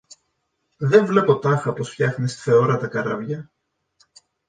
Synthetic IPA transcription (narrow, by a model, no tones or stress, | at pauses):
ðeɱvle̞po̞t̪ɐxɐpo̞sfçɐxnest̪i̥θe̞o̞ɾɐt̪ɐkɐɾɐvʝɐ